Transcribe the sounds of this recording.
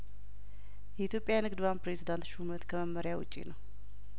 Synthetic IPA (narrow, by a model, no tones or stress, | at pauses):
jɛit̪jo̞pʼjajnɨɡd̪βanpɾezid̪ant̪ʃumət̪kʰəməmːəɾjawʊt͡ʃʼːḭnəw